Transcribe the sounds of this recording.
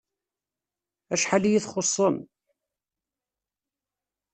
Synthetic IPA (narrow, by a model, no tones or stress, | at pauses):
æʃħalijiθχosˤːəm